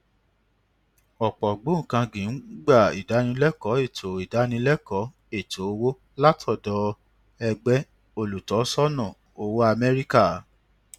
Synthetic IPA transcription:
ɔ˨k͡pɔ˨ɡ͡bõ˨˦˨kã˧ɡĩ˨˦n̩˦ɡ͡ba˦˨ḭ˨da˨˦nĩ˧lɛ˦kɔ˨˦e˦˨tʰo˨i˨da˨˦nĩ˧lɛ˦kɔ˨˦ | e˦˨to˨o˧wo˦ | la˦tʰɔ˦˨dɔ˧˦ | ɛ˧ɡ͡bɛ˦ | o˧lu˨tɔ˨˦sɔ˦nɔ̃˦˨ | o˧wo˦a˧mɛ˦ɾi˦ka˦˨

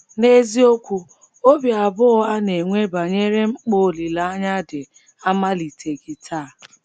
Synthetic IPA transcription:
ne˦zi˦o˦kʷu˦ | o˦bja˨bʊ˦ɣɔ˦a˦ne˨ŋʷe˦ba˨ɲe˦ɾe˦ŋ͡m̩˦k͡po˦˨li˨la˨a˦ɲa˦dɪ˨ | a˦ma˦li˨tʰe˨ɡi˨tʰaː˦˨

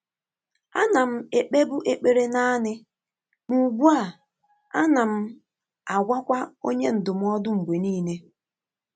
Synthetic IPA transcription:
a̰˦na˨m̩˦e˨k͡pe˦bʊ˦ʔe˨k͡pe˨ɾe˦na˦nɪ˦ | mu˨ɡu˦a˨ | a̰˦na˨m̩˦ | a˨ɡʷa˦kʷa˦o˦ɲe˦n̩˨dʊ˨m̩˨˦ɔ˦dʊ˦ŋ͡m̩˨ɡ͡bʷe˨niː˦ne˦

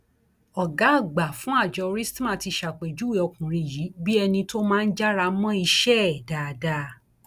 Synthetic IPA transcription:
ɔ˨ɡa˨˦˨ɡ͡ba˨fũ˨˦a˦˨d͡ʒɔ˧ɾi˦stã˦˨ti˧ʃa˨k͡pe˨d͡ʒu˨˦we˦˨ɔ˧kũ˨ɾ̃ĩ˧˨ji˨˦bi˦ɛ˧nĩ˧to˦mãː˦˧n̩˦d͡ʒa˦ɾa˧mɔ̃˦i˧ʃɛ˦ɛ˨da˨da˧˦

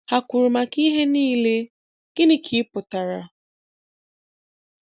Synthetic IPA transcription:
a˨kʷu˨ɾu˨ma˨ki˦ɦe˦niː˦le˦ | ɡ̥ɪ˦nɪ˦kʰi˨˦ɪ˦pʊ˨ta˨ɾa˨

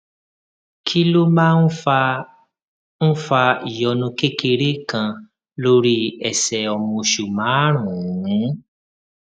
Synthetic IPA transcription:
kʰi˦lo˦mãː˦n̩˦fa˧ | n̩˦fa˧i˨jɔ˧nũ˧ke˦ke˧ɾe˦kã˧ | lo˦ɾi˦ɛ˧˨sɛ˧ɔ˧mũ˧ʃu˨mãː˨˦ɾ̃ũ˨˦

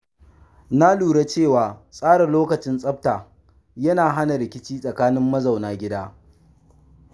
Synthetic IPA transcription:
na˦luː˨ɽe˦t͡ʃeː˦˨waː˨sʼaː˦ɽɐ˨loː˦kɐ˨t͡ʃɪ˦nsʼɐ˦p̚taː˨ | jɐ˦naː˨ɦa˦na˨ɾɪ˨kʲɪ˦t͡ʃiː˦sʼɐ˨kaː˦nɪ˦mːɐ˦za˨wnaː˨ɡʲɪ˦daː˦

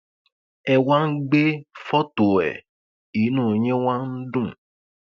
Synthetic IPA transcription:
ɛ˦wa˦n̩˦ɡ͡be˦fɔ˦to˨ɛ̰˨ | i˨˦nũː˦˨ɲẽ˦wa˦n̩˦dũ˦˨

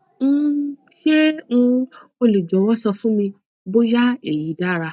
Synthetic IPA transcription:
n̩˦˧ki˦e˦ñ̩˧o˧li˨d͡ʒɔ˨˦wɔ˦sɔ˧fũ˦mĩ˧ | bo˦ja˦e˦˨ji˨˦da˦˨ɾa˧

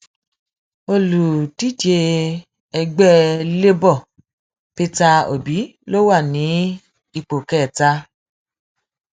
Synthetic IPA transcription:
o˧lu˨ti˦te˧ | ɛ˧ɡ͡bɛ˦le˦bɔ˦˨ | pe˧ta˧o̰˨bi˨˦lo˦wa˦˨nĩ˨˦ | i˧k͡po˨kɛ˦˨ta˦˧

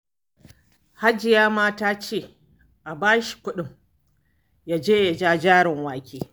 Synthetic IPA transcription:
ha˦d͡ʒɪ˨jaː˦maː˦taː˦t͡ʃeː˦˨ | ʔa˨baː˦ʃi̥˨kʷʊ˦ɗɪ˦ŋ | jaː˦d͡ʒeː˦ja˨d͡ʒaː˦d͡ʒaː˦ɽɪ˨ŋwaː˨kʲeː˦

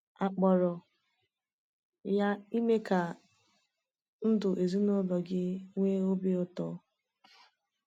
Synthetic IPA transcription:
a˨k͡pɔ˨ɾɔ˨ | ja˦i˦me˦ka˨ | n̩˦dʊ˨ʔe˨zi˦nʊ˦lɔ˨ɡɪ˦ŋʷe˦o˦bi˦ʊ˦tɔ˦

